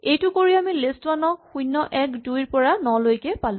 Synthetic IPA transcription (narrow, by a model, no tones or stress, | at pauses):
ejtʊkoɹiamilestwanɔxujnːɔʔɛkdujɹpɔɹanɔlojkɛpalʊ̃